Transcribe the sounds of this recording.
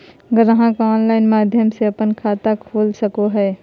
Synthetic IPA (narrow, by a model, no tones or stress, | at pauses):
ɡəɾɦãkaɔːnlaːɪnmaːd̪ʱjəmseɐpənkʰaːt̪akʰoːlsəkoɦɛː